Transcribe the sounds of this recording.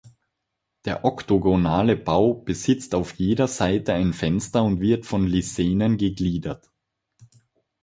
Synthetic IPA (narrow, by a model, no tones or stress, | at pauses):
d̥eːɐʔɔktoɡonaːləb̥aʊb̥əzɪt͡staʊfjeːdɐzaɪtəaɪnfɛnstɐʊntv̥ɪɐtfɔnliseːnənɡəɡliːdɐt